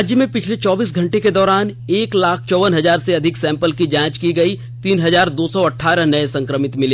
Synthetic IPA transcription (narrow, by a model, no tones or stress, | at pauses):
d͡ʒjəmẽpɪt͡ʃʰlet͡ʃɔːbiːsɡʱɐ̃ɳʈeked̪ɔːɾaːneːklaːkʰt͡ʃɔːʋənɦɐzaːɾseɐd̪ʱɪksɛ̃ːmpəlkid͡ʒãːt͡ʃkiɡɐi | t̪iːnɦɐzaːɾd̪oːsɔɐʈʰːaːɾəɦnɐesɐ̃ŋkɾəmɪt̪mɪle